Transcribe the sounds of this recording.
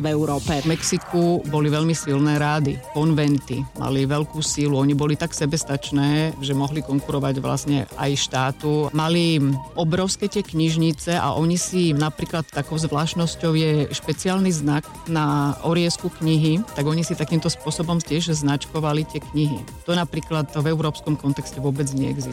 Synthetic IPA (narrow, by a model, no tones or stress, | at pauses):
vɛuɾɔːpɛmɛksikʰubɔliʋɛʎmisilnɛːɾaːd̪ḭkɔnʋɛnt̪ḭma̰liʋɛʎkuːsiːluɔɲibɔlit̪aksɛbɛst̪at͡ʃnɛːʒɛmɔɦlikɔŋkuɾɔʋaɟʋla̰sɲɛ̰a̰jʃt̪aːt̪umaliʔɔbɾɔʊskɛt̪ɪɛkɲiʒɲit͡sɛʔa̰ʔɔɲisinapɾiːklat̪ːakɔʊzʋlaːʃnɔscɔʊjɛʃpɛt͡siaːlniznak | naɔɾiɪɛskukɲiɦit̪aɡɔɲisit̪akiːmt̪ɔspʊɔsɔbɔmt̪ɪɛʒznat͡ʃkɔʋalit̪ɪɛkɲiɦḭ | t̪ɔnapɾiːklat̪vɛʊɾɔːpskɔmkɔnt̪ɛkscɛʋʊɔbɛd͡zɲɛɛ̰ɡzi